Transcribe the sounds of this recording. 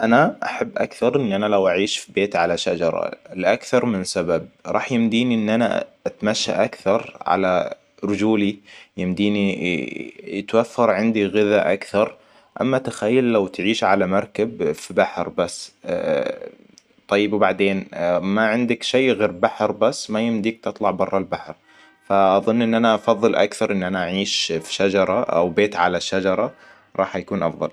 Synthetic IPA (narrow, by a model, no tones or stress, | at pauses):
ʔanaʔaħabːʔakθɑɾˤʔɪnːʔanalawʔaʕiːʃfibeːt̪ʕalaʃad͡ʒɑ̰ɾˤɑ̰lʔakθɑɾˤmɪnsabab̚ɾˤɑ̰ːħjɪmd̪iːniʔɪnːʔana̰ʔat̪maʃːa̰ʔakθɑɾˤʕa̰la | ɾʊd͡ʒuːlijɪmd̪iːni | t̪waθːɑɾˤʕɪnd̪iɣɪðaʔa̰kθɑɾˤ | ʔa̰mːat̪axajːalːawt̪ʕiːʃʕalamɑɾˤkabfibaħɾbasː | t̪ˤːɑjːɪbwbaʕd̪eːnmaʕɪnd̪akʃeːɣeːɾbaħɾbasːmajɪmd̪iːk̚t̪ɨt̪ˤlɑʕbɑrˤːɑlbaħɾ | faʔɑðˤɨnːʔɪnːʔanaʔɑfɑðˤːɨlʔa̰kθɑɾˤʔɪnːʔanaʔaʕiːʃfi̥ʃad͡ʒɑɾˤɑʔa̰wbeːt̪ʕalaʃad͡ʒɑɾˤɑ | ɾˤɑ̰ːħjakuːnʔɑ̰fðˤɑ̰l